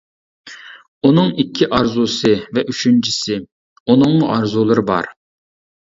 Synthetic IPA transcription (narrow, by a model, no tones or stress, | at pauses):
unɨŋikʲʰːiʔɑɾzusɨvɛʔyʃynt͡ʃʰɪsɪ | unɨŋlʊʔɑɾzulˠɨɾɨbɑ̰ɾ